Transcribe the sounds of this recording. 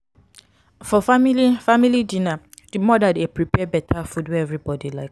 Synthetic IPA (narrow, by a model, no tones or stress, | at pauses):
fɔfamilifamilidĩna | d̥imɔdadepɹipɛbɛtʰafudwɛɛvɹibɔdilaɪk